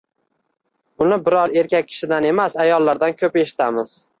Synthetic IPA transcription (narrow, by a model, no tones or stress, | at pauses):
ʊnɪbɪɾɒɾe̞ɾkʲak̚ʲʰːɪ̥ʃɪd̪ane̞masajɒlˠːaɾd̪ankʲʰɵpe̞ʃɪ̥t̪ʰamɪz̥